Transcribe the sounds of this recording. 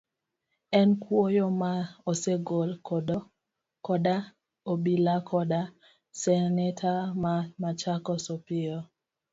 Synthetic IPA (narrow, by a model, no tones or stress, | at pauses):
ɛnkwojɔmaoseɡolkɔdɔ | kɔda | obilakʰɔda | sɛnɛtʰamamat͡ʃakɔsopɪjɔ